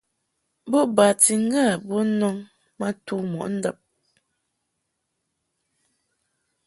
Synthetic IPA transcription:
bo˦ba˨ti˨ŋ̩˦ɡa˦˨bo˦nɔ˦ŋ | ma˦tu˦˨mɔ̰˨ʔn̩˦da˦˨p̚

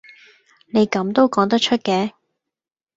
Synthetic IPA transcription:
ne˨˧jkɐ˨˥mt̪o˥wkɔː˨˥ŋt̪̬ɐ˥t͡ʃʰɵ˥t̚kɛː˨˥

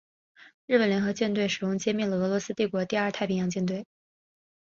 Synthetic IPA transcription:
ɻ̩˥˩pə˩nljɛ˧˥nxɤ˧˥t͡ɕjɛ˥˧nt̪we˥˩ɪʂɻ̩˨˩ʊ˥ŋt͡ɕjɛ˥mi˥˩nlə˩ɤ˧˥lwɔ˧˥sɹ̩˥t̪i˥˩kwɔ˧˥t̪i˥˧ɐ˞˥˧t̪ʰa˥˩ɪpʰi˥jɑ˧˥ŋt͡ɕjɛ˥˧nt̪we˥˩ɪ

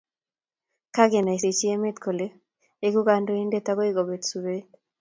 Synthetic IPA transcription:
ka˦ɡɛ˨na˨i˨ɾe˨t͡ʃi˦e˦me˦t̪kʰo˨le˦ | e˦ɡu˦ɡa˦ndo˦i˦nde˦t̪a˦ɡo˦i˦ɡo˨be˨tsu˨ɾe˦

